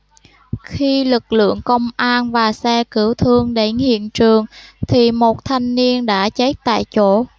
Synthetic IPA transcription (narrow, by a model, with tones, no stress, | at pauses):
xi˧lɨ˨˩k̚lɨ̰˧˨əŋkə˧wŋ͡mʔaː˧nvaː˨˩sɛ˧kɨ˧˩əwt̪ʰɨ˧əŋɗe˨˦nhḭ˧˨ənt͡ɕɨ˨˩əŋt̪ʰi˨˩mo˨˩t̚t̪ʰa˧jŋ̟ni˧ənɗa̰ː˧˥t͡ɕə˨˦˥k̚t̪a̰ː˧˨jt͡ɕo˧˥